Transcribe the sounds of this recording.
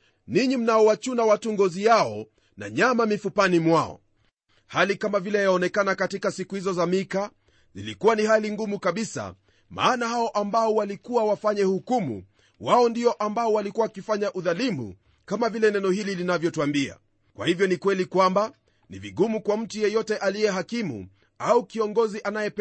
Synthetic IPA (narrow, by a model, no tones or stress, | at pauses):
niɲim̩naɔwat͡ʃunawatuŋɡɔzijaɔ | na̰ɲamamifupanimwaɔ̰ | halikamavilɛajaɔnɛkanakatikasikuhizɔzamika | zḭlikuwanihaliŋɡumukaɓisa̰ | ma̰ːnahaɔʔambaɔwalikuwawafaɲɛhukumṵ | waɔndiɔʔambaɔwalikuwaakifaɲaʔuðalimṵ | kamavilɛnɛnɔhililinavjɔtuambia̰ | kwa̰hivjɔnikwɛlikwamba | nḭviɠumukwam̩tujɛjɔtɛʔaliɛɦakimṵ | aukiɔŋɡɔziʔanajɛp